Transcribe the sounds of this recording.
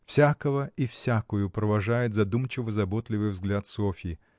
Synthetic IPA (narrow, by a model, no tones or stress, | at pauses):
fsʲakəvəifsʲakʊjʊpɾəvɐʐajɪt̪zɐd̪umt͡ɕɪvəzɐbot̪lʲɪvɨjvzɡlʲat̪sofʲɪ